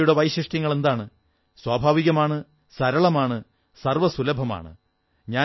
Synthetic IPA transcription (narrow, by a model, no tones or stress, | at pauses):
juɽeʋɐjɕiʂʈjɐŋːɐɭe̞nd̪aːɳɨ | swaːbʱaːʋiɣɐmaːɳɨ | sɐɾɐɭɐmaːɳɨ | sɐrʋɐsulɐbʱɐma̰ːɳɨ̰ | ɲaː